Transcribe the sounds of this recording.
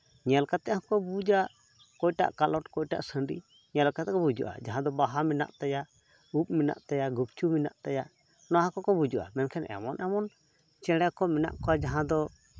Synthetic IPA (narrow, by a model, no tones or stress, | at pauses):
ɲɛlkat̪ɛʔɦɔ̃kɔbud͡ʒaʔ | kɔjʈa̰ʔkalɔʈkɔjʈa̰ʔsəɳɖḭ | ɲɛlkat̪ɛʔkɔbud͡ʒṵʔa̰d͡ʒaɦãd̪ɔbaɦamina̰ʔt̪aja | up̚mina̰ʔt̪ajaɡup̚t͡ʃumina̰ʔt̪ajaʔ | nɔaɦãkɔkɔbud͡ʒuʔa̰mɛnkʰɛnɛ̰mɔnʔɛmɔn | t͡ʃɛɽɛkɔmɛna̰ʔkɔad͡ʒaɦãd̪ɔ